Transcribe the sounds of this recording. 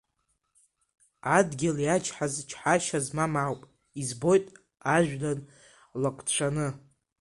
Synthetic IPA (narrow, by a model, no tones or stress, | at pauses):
adɡʲɪljat͡ʃʰʼħazt͡ʃʰħaʃazmamawpʼ | izbo̞jtʼ | aʒᶣdan | lakʷʼt͡ɕʷʰanɨ